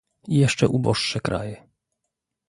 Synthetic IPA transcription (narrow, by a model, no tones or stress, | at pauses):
ijɛʂt͡ʂɛʔubɔʂːɛkɾa̰jɛ